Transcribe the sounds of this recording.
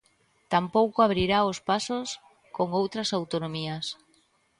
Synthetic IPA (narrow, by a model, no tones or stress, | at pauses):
t̪ampowkoaβ̞ɾiɾaospasos | koŋowt̪ɾɐsawt̪onomiɐs